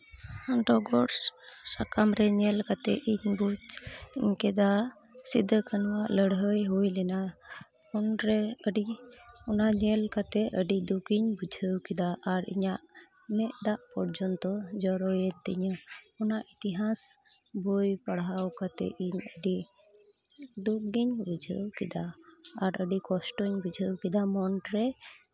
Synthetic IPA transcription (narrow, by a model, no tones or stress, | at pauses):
aɳʈɔɡɔʈsakamɾɛɲɛlkat̪ɛ̰iɲbut͡ʃɲkɛd̪a | sid̪ʱːəkənwaʔləɽɦəjɦujlɛna | unɾɛəɖiɔnaɲɛlkat̪ɛəɖid̪ukiɲbud͡ʒʱəwkɛd̪aʔaɾḭɲaʔ | mɛʔd̪aʔpɔɾd͡ʒɔnt̪ɔd͡ʒɔɾɔjɛt̪ːḭɲɔnaʔit̪iɦas | bujpaɽawkat̪ɛ̰iɲəɖi | d̪ukɡiɲbud͡ʒʱəwkɛd̪aaɾəɖikɔsʈɔɲbud͡ʒʱəwkid̪amɔɳɖɾɛ